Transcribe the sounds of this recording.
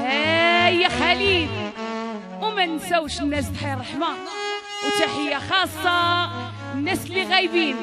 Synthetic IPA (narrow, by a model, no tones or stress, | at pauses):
æjːæxælid̪ | wmænsæwʃnːæst̪ħajɾˤɑħma | wt̪æħəjːaxɑsˤːɑ | nːæslːiɣæjbin